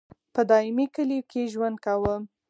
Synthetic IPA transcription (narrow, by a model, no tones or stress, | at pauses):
pəd̪ɑɪmikəlikʰeʒwand̪̚kawəm